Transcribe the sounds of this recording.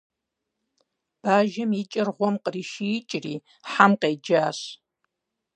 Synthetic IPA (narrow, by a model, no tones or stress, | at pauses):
b̥aːʒɐmit͡ʃʼɪrʁʷɔmqəriːʃijɪt͡ʃʼriː | ħamqeːd͡ʒaːɕ